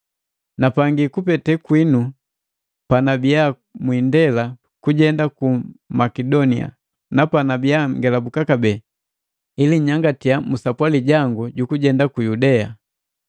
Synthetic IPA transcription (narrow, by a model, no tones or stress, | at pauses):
napaŋɡikupɛtɛkwinu | panabija | mwindɛla | kuɟɛndakumakɛdɔnia̰ | napanabijaŋɡɛlabukakabɛ | iliɲaŋɡatijamusapwaliɟaŋɡuɟukuɟɛndakujudɛa